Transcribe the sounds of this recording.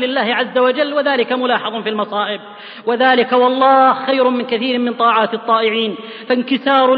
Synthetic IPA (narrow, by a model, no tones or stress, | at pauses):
lɪlːaːhɪʕazːawad͡ʒalːwaðaːlɪkamʊlɑːħɑðˤʊnfiːlmɑsˤɑːʔɪb | wɪðaːlɪkawɑlˤːɑːhxajɾʊmɪnkaθiːɾmːɪnt̪ˤɑːʕaːt̪ɨt̪ˤːɑːʔɪʕiːn | fankɪsɑːɾ